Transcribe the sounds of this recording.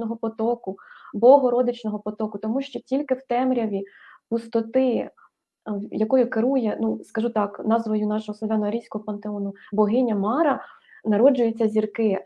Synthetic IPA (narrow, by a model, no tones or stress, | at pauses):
nɔɦɔpɔt̪ɔkʊbɔɦɔɾɔd̪ɪt͡ʃnɔɦɔpɔt̪ɔkʊt̪ɔmuʃt͡ʃɔtʲilʲkɪwt̪ɛmɾʲɐʋʲipʊst̪ɔt̪ɪ | jɐkɔjʊkɪɾujɛnuskɐʒut̪ɑknɑzʋɔjʊnɑʃɔɦɔsˠɔʋʲɑnɔɐɾʲijsʲkɔɦɔpɐnt̪eɔnʊbɔɦɪnʲɐmɑɾɐ | nɐɾɔd͡ʒʊjʊt͡sʲːɐzʲirkɪ